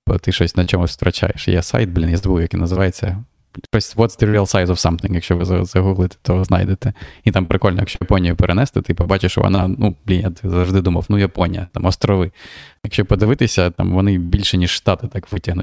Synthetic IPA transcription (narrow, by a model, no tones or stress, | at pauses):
bɔt̪ɪʃɔsʲnɐt͡ʃɔmʊst̪ɾɐt͡ʃa̰jḛʃjɛ̰sa̰jt̪̚blʲinjazɔbuwjɐkinɐzɪʋajet͡sʲːɐ | ʃɔsʲʋɔt̪st̪eɾɾʲiɐlˠsajzɔfsɐmt̪ɪŋkjɐkʃt͡ʃɔʋɪzɐzɐɦuɦlˠɪt̪ɛ̥t̪ɔznɑ̰jd̪et̪ɛit̪ampɾɪkɔlʲn̰jɐkʃt͡ʃɔjɐpɔnʲijʊpeɾʔenɛst̪ɛt̪ɪpɐbɑt͡ʃɪʃʋɔ̰nɑnub̥lʲinjat̪ɪzɐwʐd̪ɪd̪umɐwnujɐpɔnʲijɐt̪amɔst̪ɾɔʋɪjɐkʃt͡ʃɔpɔd̪ɪʋɪt̪ɪsʲɐt̪ɑ̰mʋɔnɪbʲilʲʃɛnʲiʂːt̪ɑt̪ɪt̪ɑkʋɪtʲɐɦnʊtʲ